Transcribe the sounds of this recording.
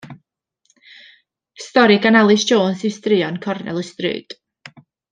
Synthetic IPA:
stɔɾiɡanalˠɨsd͡ʒoːnsɪstrɪɔnkʰɔrnɛ̰lˠəstrɨ̰ːd̥

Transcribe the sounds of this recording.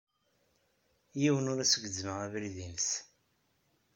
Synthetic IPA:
jiwənʊɾæsəɡʷəzːməævɾiðinəs

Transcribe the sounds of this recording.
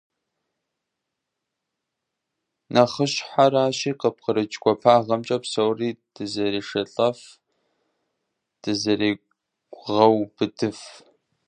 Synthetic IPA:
nʔɐχəɕħaɾaːʃiːqəp̚qəɾɨt͡ʃʼɡʷɔpʰaːʁɐmt͡ʃʼɐpsowriːd̥ɨzɐɾiːʂɐɬʼɐf | d̥ɨzɐɾiː | ʁɐwbɨdɨf

